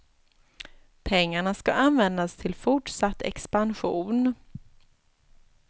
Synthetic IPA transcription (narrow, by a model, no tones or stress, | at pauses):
pʰɛŋːaɳaskaanvɛnd̪ast̪ʰɪlfʊʈʂat̪ʰːɛ̰kspanɧṵːn